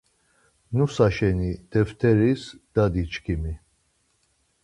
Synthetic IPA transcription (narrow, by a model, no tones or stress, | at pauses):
nusaʃɛnid̪̥ɛvt̪ʰɛɾisd̪̥ad̪it͡ʃkʰimi